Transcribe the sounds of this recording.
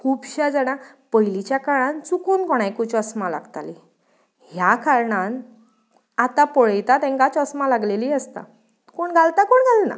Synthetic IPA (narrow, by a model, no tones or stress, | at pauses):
kʰuːbɕad͡zəɽ̃apəjlit͡ɕjakaɭãnt͡sukuːnkɔɽ̃ajkũt͡ɕɔsmala̰ɡt̪ali | ɦjakaɾɳan | at̪apɔɭejt̪at̪ẽŋkat͡ɕɔsmalaɡleliːəst̪a̰ | koɳɡʱalt̪akoɳɡʱalna̰